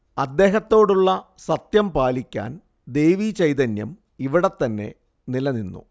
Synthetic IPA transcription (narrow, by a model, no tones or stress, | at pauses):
ɐd̪ːe̞ːɦɐt̪ːo̞ːɽuɭːɐ | sɐt̪jɐmpaːlikʲːa̰ːn | d̪ejʋit͡ɕɐjt̪ɐnjɐ̰m | iʋiɽet̪ːɐnːe̞̰ | nilɐninːṵ